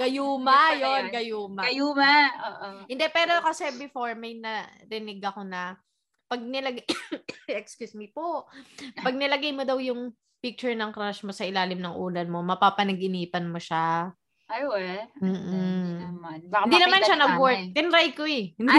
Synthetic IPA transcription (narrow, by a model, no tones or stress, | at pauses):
ɡ̥ɐjuːmajonɡɐjuːmɐɐjumaoʔhɪnd̪ɛpɛːɾokɐsɛbɪfoɹmɐjnɐɾɪnɪɡʔɐko̞nɐ | pɐɡ̚nɪlɐɡ | ɛkskjusmipoʔpɐɡ̚nɐlɐɡajmod̪ɐwjʊŋ | pɪk̚t͡ʃʊɹnɐŋkɾaʃmɐsɐʔɪlaːlɪmnɐŋʔṵːlɐnmo̞mɐpaːpɐnɐɡʔɪniːpɐnmoʃa | ajwɛm̩ː | band̪inɐmanʃanɐɡwɔɹt̪ɪnɾajkoɛ